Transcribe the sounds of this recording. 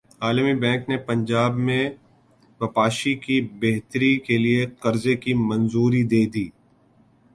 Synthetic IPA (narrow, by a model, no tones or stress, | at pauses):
aːlmibɛ̃ːŋknepɐ̃ɲd͡ʒaːbmẽ | ʋɐpaːʃikibeɦt̪ɾikelieqɐɾzekimɐ̃nzuːɾid̪eːd̪iː